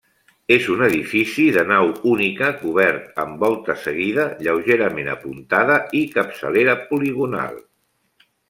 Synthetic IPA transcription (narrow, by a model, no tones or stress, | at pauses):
ezunəðifisiðənawunikəkuβɛɾt̪əmbɔlˠt̪əsəɣ̞iðəʎəwʒeɾəmenə̰punt̪aðəikəpsə̰leɾəpuliɣ̞una̰lˠ